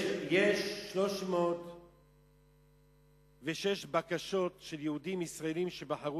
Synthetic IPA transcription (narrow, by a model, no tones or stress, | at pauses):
jeʃːlo̞ʃmoːt̪ | veʃeʃbakaʃo̞t̪ʃe̞ljeud̪imisʁaelimʃebaħaʁu